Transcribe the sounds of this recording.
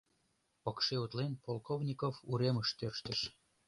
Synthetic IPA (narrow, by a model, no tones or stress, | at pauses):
pɤkʃeut̪lenpolˠkovnʲikovuɾeməʃt̪ørʃt̪ə̆ʃ